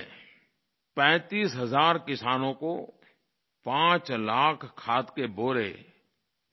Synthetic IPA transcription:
pɛ̃ːt̪iːsɦɐzaːɾkɪsaːnõko | pãːt͡ʃlaːkʰkʰːaːt̪keboːɾḛː

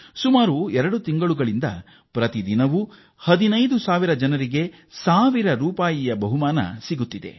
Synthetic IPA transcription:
sumaːɾuɛɾɐɽut̪iŋɡɐɭuɡɐɭind̪ɐ̰ | pɾɐt̪id̪inɐʋu | hɐd̪inɐjd̪usaːʋiɾɐd͡ʒɐnɐɾiɡe̞ | saːʋiɾɐɾuːpaːjijɐbɐɦumaːnɐ̰siɡut̪ːid̪e̞̰

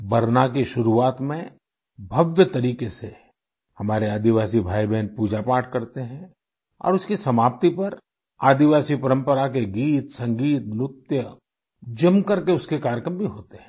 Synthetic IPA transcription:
bɐɾnakiʃʊɾuaːt̪mẽ | bʱɐʋjət̪ɐɾiːkese | hɐmaːɾeaːd̪iʋaːsibʱaːibɛːnpuːd͡ʒapaːʈ̚ʰkɐɾt̪eɦɛ̃ | ɔ̰ːɾʊskisɐmaːp̚t̪ipɐɾ | aːd̪iʋaːsipɐɾə̃mpəɾakeɡiːt̪sɐ̃ŋɡiːt̪mʊt̪jə | d͡ʒɐmkɐɾkeʊskekaːɾjəkɾəmbʱiɦoːt̪eɦɛ̃

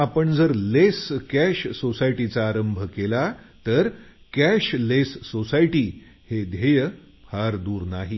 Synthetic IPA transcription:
apəɳd͡zəɾleskæɕːosajʈit͡saːɾəmbʱəkelat̪əɾ | kæɕlesːosajʈiː | hed̪ʱejə | pʰaɾd̪uːɾnaɦi

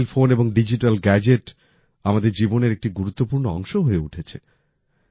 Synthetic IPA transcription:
lfoneboŋɖid͡ʑiʈalɡɛd͡ʑeʈ | amad̪eɾd͡ʑiboneɾek̚ʈiɡuɾut̪ːopuɾnoɔ̰ŋʃoɦoeuʈʰet͡ɕʰe

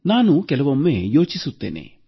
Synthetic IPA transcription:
naːnukɛlɐʋɐmːeːjo̞ːt͡ʃisut̪ːenḛː

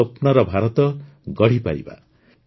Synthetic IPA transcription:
ʌpnʌɾʌbʱaɾɔt̪ʌ | ɡʌɽ̤ipa̰ɾḭba̰

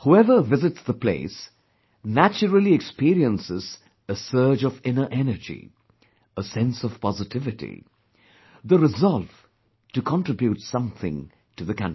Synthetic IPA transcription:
huɛvə˞vɪzɨtsðəpʰlḛɪs | næt͡ʃəɾəl̩ˠiɨkspiɾiə̃nsɪz | əsɜ˞d͡ʒʌvɪ̃nə˞ʔɛnə˞d͡ʒḭ | əsɛ̃nsʌv̥pʰɑzɨtʰɪvɨtḭ | ðəɹɨzɑlˠv̥ | tɨkʰɑ̃ntɹ̥ɨbjutsʌ̃mθɪ̰̃ŋ | tɨðɨkʰʌ̃n

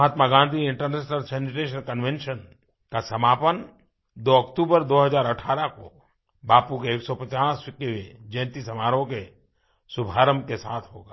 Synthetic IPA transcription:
ɦaːt̪maɡãːnd̪ʱiɪ̃ɳʈəɾneːsnəɾsɛːnɪʈeːʃ̬ənkənʋẽnʃən | kasɐmaːpən | d̪oɐkt̪uːbəɾd̪oːɦəzaːɾɐʈʰaːɾako̰ | baːpukeeːksɔpɐt͡ʃaːswɪkːeʋed͡ʒɛ̃ːnt̪isɐmaːɾõke | sʊbʱaːɾəmkesaːt̪ʰɦo̰ːɡaː

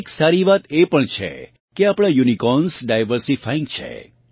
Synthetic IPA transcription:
ksaɾiʋat̪epəɳt͡ʃʰḛ | keapɽ̃ãjunikɔnsɖajʋəɾsifʰaĩŋɡt͡ʃʰḛ

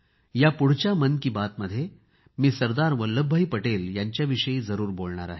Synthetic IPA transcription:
japuɽ̤t͡ɕamənkiːbat̪məd̪ʱːje | miːsəɾd̪aɾʋəlːəbʱːəiːpəʈeːljaɲt͡ɕjaʋiʂəjiːd͡zəɾuːɾbolɳ̃a̰ɾa̰ɦe

